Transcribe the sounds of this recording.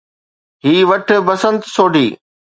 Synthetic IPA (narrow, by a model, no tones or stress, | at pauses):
ɦiːʋɐʈ̆ʰbɐsə̃nt̪soːɖʱiː